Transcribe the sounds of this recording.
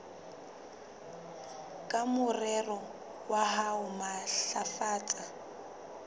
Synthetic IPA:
kʼamʊrɛrɔ | waɦaʊmaɬafaːt͡sʼa

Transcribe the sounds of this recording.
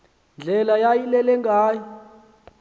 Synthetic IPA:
nd͡ɮʱɛlajajilɛlɛŋɡaːjɔ

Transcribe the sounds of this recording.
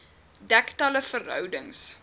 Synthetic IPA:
dæktɐləfərɦœ̰wdəŋs

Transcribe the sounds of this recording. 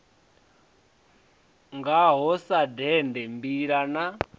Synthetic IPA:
ŋɡaɦɔsadɛndɛmbiɺana

